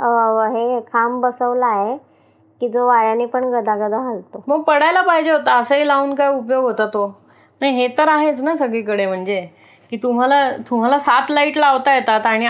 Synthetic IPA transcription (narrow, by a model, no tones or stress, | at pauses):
ɦekʰambəsəʋlaːɦe | kiːd͡zoʋaɾaniːpəɳɡəd̪ʱaɡəd̪ʱaɦalt̪oməɡ̚pəɽajlapaɦid͡ʑeɦot̪aəsəɦiːlauːnkajupjoɡɦot̪at̪o | najɦet̪əɾaɦet͡snasəɡɭikəɽem̤əɳd͡ze | kiːt̪um̤alat̪um̤alasat̪laiʈlaʋt̪ajet̪at̪aɽ̃i